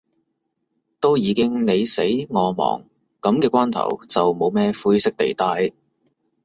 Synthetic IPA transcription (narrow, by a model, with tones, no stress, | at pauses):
t̪o˥wjiː˨˧kɪ˥ŋne˨˧jse˨˥jŋɔː˨˧mɔ̰ː˨˩ŋ | kɐ˨˧˥mkɛː˧kʷaː˥nt̪ʰɐ̰˨˩wt͡sɐ˨wmo˨˧wmɛː˥fuː˥jsɪ˥k̚t̪ḛ˨˩jt̪aː˧˥j